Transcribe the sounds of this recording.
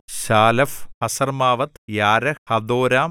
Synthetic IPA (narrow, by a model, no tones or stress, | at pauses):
ɕaːlɐfhɐsɐrmaːʋɐt̪jaːɾɐhɐd̪oːɾaːm